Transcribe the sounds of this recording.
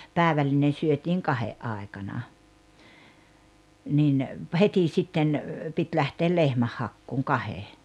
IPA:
pæˑeʋælːinen̞ syøtiːŋ kɑheʔ ʔɑˑi̞kɑnɑ nin heti sitːen pit læhteːl lehmæhːɑkːuːŋ kɑhe

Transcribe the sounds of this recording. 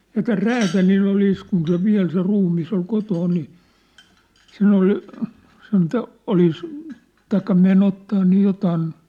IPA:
jɑ tæl ræːtælilː oliˑs kun se ʋiæ̝l se ruːmːis ol kotoːn ni sen oli sen toʔ olis tɑikːɑ men otːɑː niː jotɑːn

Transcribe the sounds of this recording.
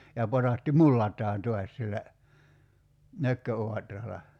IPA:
jɑ potɑˑtːi mulːɑtˑɑːn to̝ɑs silːæ nøkːøoɑtrɑlɑ

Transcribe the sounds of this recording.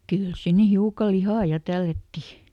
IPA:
kyˑl sinːe hiukɑ lihɑˑ jɑ tælːætːi

